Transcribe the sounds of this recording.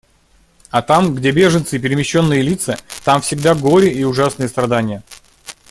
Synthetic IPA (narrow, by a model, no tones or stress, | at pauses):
ɐt̪amɡdʲe̞bʲe̞ʐɨnt̪sɨɪpʲɪɾʲɪmʲɪɕːo̞nːɨjəlʲit̪sət̪amfsʲɪɡd̪aɡo̞ɾʲɪiʊʐasnɨjəst̪ɾɐd̪anʲɪjə